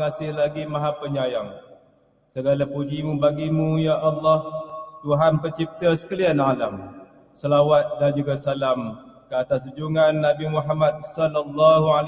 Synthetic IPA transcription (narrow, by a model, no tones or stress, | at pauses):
ŋasɪhlaɡimaɦapəɲajaŋ | səɡalapud͡ʒimũbaɡimũjaʔalːɑht̪uɦanpərt͡ʃip̚t̪əsə̥kəlianalam | səlawat̪̚dand͡ʒuɡasalamkəat̪as̬ud͡ʒuŋanːabimuħamad̚sɔlɔlːaɦual